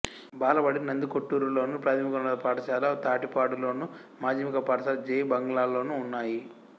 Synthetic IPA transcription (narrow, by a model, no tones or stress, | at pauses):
baːlɐbɐɽinɐnd̪ukoʈːuːɾulo̞ːnupɾaːt̪ʰɐmikɐmɐɐpaːʈɐʃaːlɐt̪aːʈipaːɽulo̞ːnu | maːd͡ʒɐmikɐpaːʈɐʃaːlɐd͡ʒeːjbɐŋɡɐlaːlo̞ːnuːnːaːji